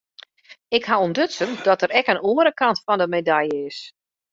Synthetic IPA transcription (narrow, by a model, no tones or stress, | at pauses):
ɪkhaondøtsəndɔtəɾɛkənuəɾəkɑntfɔndəmedajəɪs